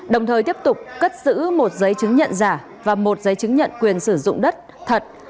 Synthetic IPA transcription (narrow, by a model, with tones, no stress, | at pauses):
ɗə˨˩wŋ͡mt̪ʰəː˨˩jt̪i˦˥əp̚t̪ʊ˨˩k͡p̚kə˦˥t̚z̥ɨ̰˧˥mo˨˩t̚zə˨˦jt͡ɕɨ˨˦ŋɲə̰˧˨nzaː˧˩ | vaː˨˩mo˨˩t̚zə˨˦jt͡ɕɨ˨˦ŋɲə̰˧˨nkwi˨˩ənsɨ˧˩zʊ̰˧˨ŋ͡mɗə˦˥t̚ | t̪ʰə˨˩t̚